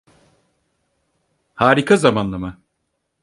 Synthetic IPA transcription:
haːɾikʰazamanlˠama

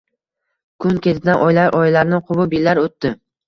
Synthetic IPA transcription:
kʰʊnkʲʰe̞t̪ʰɪd̪anʔɒjlaɾʔɒjlaɾnɪqʰʊbɪbilaɾot̪ːɪ

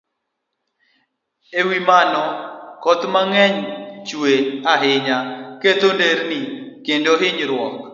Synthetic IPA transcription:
ewimanɔkɔt̪maŋɛɲt͡ʃweaɦɪɲaket̪ondeɾnikendoɦɪɲɾwɔk̚

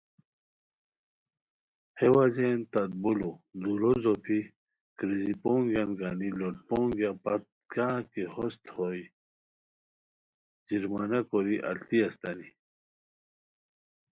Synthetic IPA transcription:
hewazent̪ɐd̪̚bulod̪uɾozopʰi | kɾizipoːŋɡjanɡaniloʈ̚poːŋɡapɐt̪̚ | ɡakehost̪hoi | d͡ʑiɾmanɐkoɾiʔɐ̰lt̪iɐst̪ɐni

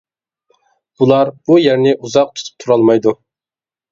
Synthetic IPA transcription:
b̥ulˠɑɾb̥ujæɾnɪʔuzɑq̚t̪ʰu̥t̪ʰɨ̥p̚t̪ʰuɾɑlˠmɑjd̪u

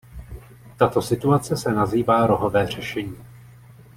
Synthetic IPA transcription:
t̪at̪o̞sɪt̪uat͡sɛsɛnaziːvaːɾo̞ɦo̞vɛːr̝̥ɛʃɛɲiː

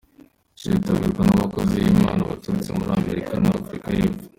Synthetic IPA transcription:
t͡ʃitaβiɾɡanaβako̞zijimaːnaβatuɾut͡semuɾiame̞ɾikanaːfɾikajeːpfu̥

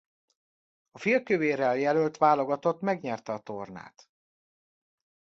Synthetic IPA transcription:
ɒfilkøveːɾɛljɛlølt̪ʋaːlo̞ɡɒt̪o̞t̪mɛɡɲɛrt̪ɛɒt̪o̞rna̰ːt̪

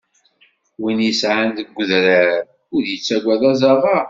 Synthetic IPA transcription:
winjəsʕand̪əɡʷːəðɾæɾ | ʊɾjət͡sːæɡʷæðɑzˤɑʁˤɑ

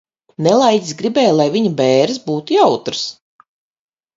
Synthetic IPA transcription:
nɛlˠajd̪ʲisɡɾibɛːjlˠajviɲabɛːɾɨsbuːt̪ujawt̪ɾɨs

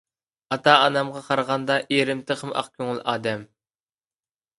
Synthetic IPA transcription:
ɑt̪ɑɑnɑmʁɑqʰɑɾʁɑnd̪ɑʔeɾɪmt̪ʰəqʰəmɑ̰qkʲʰøŋɪlˠʔɑːd̪ɛm

